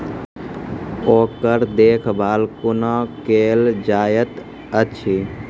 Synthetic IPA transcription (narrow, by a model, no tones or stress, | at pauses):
oːkəɾd̪eːkʰbʱaːlkʊnakeːld͡ʒaːjət̪ | ət͡ʃʰi